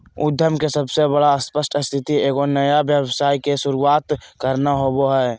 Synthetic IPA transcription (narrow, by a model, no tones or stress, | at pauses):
ʊd̪ʱjəmkesəbsebəɽaəspəsʈʰəst̪ʰɪt̪ieːɡonəjabjəbsaːikesʊɾuaːt̪kəɾnaɦoboɦɛː